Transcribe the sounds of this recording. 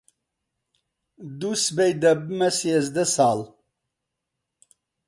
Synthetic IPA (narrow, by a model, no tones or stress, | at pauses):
d̪usbejd̪ɐbmɐsjezd̪ɐsaːl